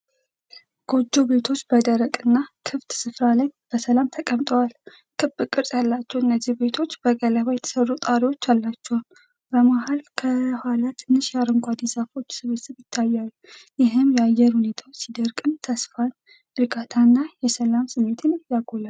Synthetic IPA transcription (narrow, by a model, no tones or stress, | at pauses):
ɡ̥o̞d͡ʒːo̞be̞t̪ʰo̞t͡ʃːbəd̪əɾəkʼɨnːakʰɨft̪sɨfɾalajb̥əsəlamt̪ʰəkʼəmt̪ʼəwal | kʰɨbɨkʼːɨɾtʼjalːat͡ʃːɛwɨnːəzːihbe̞t̪ʰo̞t͡ʃːbəɡələβajɛt̪ʰə̥sərːut̪ʼaɾiwo̞t͡ʃːalːat͡ʃːɛwn | bəmaɦalkʰəhalat̪ʰɨnːɨʃjaɾəŋɡʷad̪esafo̞t͡ʃːsɨβet̪səβjɪt̪ʰːajːalːujɪɦɨmjɛajɛɾhune̞t̪ʰawot͡ʃːsid̪əɾkʼɨnt̪ʰəsfan | ʔɨɾɡat̪ʰanːajɛsəlamsɨmːe̞t̪ʰɨnjaɡola